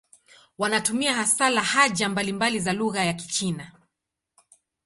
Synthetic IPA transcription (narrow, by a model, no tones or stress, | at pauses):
wanatumiahasalahaʄambalimbalizaluɣajaki̥t͡ʃina